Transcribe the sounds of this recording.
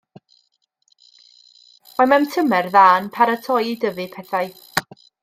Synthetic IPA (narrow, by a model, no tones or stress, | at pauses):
mamɛmtʰəmɛrðaːnpʰaɾətʰɔjidəvɨpʰɛθaj